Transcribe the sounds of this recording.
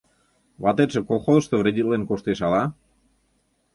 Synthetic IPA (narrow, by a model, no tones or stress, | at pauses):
βɑt̪et̪ʃĕkolˠxozə̆ʃt̪ovɾed̪ʲilenkoʃt̪eʃɑlɑ